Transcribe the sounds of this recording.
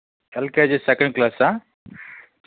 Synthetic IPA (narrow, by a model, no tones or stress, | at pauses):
ɛlked͡ʑesɛkə̃ɳɖklasã